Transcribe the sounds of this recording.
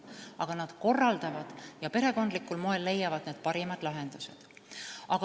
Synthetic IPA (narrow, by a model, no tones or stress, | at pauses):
ɑɡ̥ɑnɑd̪̥ko̞rːɑld̪ɑvɑd̪̥jɑpe̞ɾe̞ko̞nd̪likːulmoe̞lːe̞jːɑvɑd̪̥neːd̪̥̚pɑɾimɑd̪̥lɑɦe̞nd̪̥usḛd̪̥ | ʔɑɡ̥ɑ